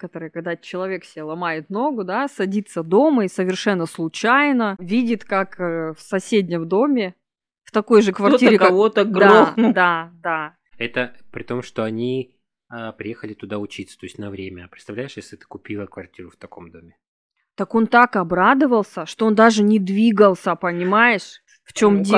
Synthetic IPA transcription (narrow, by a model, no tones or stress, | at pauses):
kət̪oɾɨjkɐɡ̚d̪at͡ɕɪlˠɐvʲe̞ksʲɪbʲelˠɐmajɪt̪no̞ɡʊd̪asɐdʲit̪səd̪o̞məisəvʲɪrʂɛnːəslˠʊt͡ɕajnəvʲidʲɪt̪kakəfsɐsʲedʲnʲɪmd̪o̞mʲɪ | ft̪ɐko̞jʐɨkvɐrtʲiɾʲɪkvot̪ədɡd̪od̪ad̪a | ɛt̪əpɾʲɪt̪o̞mʂt̪o̞ɐnʲi | əpɾʲɪjexəlʲɪt̪ʊd̪aʊt͡ɕit̪sə̥t̪o̞ɪsʲtʲnɐvɾʲemʲəpɾɪt̪st̪ɐvlʲæjɪʂjesʲlʲɪt̪ɨ̥kʊpʲilˠəkvɐrtʲiɾʊft̪ɐko̞̰md̪o̞mʲɪ | t̪ɐko̞nt̪akɐbɾad̪ɨvəlˠsʲəʂt̪o̞ond̪aʐɨnʲɪd̪vʲiɡəlˠsʲəɐpənʲɪmajɪʂ | ft͡ɕo̞mdʲ